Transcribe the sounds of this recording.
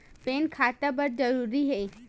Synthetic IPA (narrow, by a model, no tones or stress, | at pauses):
peːnkʰaːt̪əbəɾd͡ʒəɾuːɾiɦeː